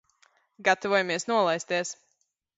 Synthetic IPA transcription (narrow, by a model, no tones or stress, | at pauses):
ɡat̪ɔvuɔjamiɛsnuɔlˠajst̪iɛs